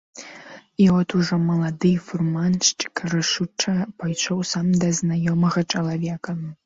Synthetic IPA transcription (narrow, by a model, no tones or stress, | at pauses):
iɔt̪uʐɔmɐlˠad̪ɨfurmanʂɨ̥kɾɨʂut͡ʂɐpajʂɔwsamd̪ɐznajɔmɐɣɐt͡ʂɐlˠavʲɛkɐ